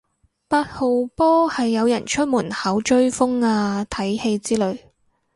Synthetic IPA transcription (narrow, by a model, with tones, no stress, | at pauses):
paː˧t̚ho˨wpɔː˥hɐ˨jːɐ˨˧wjɐ˨˩nt͡ʃʰɵ˥t̚muː˨˩nhɐ˨˥wt͡ʃɵ˥ɥfʊ˥ŋaː˧t̪ʰɐ˨˥jhe˧jt͡siː˥lɵ˨˧ɥ